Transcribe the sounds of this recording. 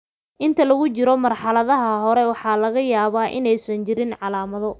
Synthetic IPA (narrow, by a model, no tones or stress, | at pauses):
ʔɪnt̪ʰɐlɐɣʊt͡ʃɪɾɔmɐrħɑlɐðɐɦɐɦɔɾɛwɑħɑːlɐɣɐjaːβaːʔɪ̰nɛjsɐnt͡ʃɪɾɪnʕɑlaːmɐðɔ